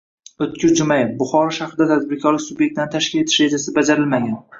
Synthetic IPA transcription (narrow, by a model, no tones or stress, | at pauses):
ɵt̪kʲɪɾd͡ʒʊmajɪfbʊχɒɾɒʃaχɾɪd̪at̪ʰazbɪɾkʰʲɒlɪkʲsʊbjek̚ʲt̪ɪant̪ʰaʃkʲɪle̞t̪ʰɪʃɾe̞d͡ʒasɪbad͡ʒaɾɪlmaɡʲan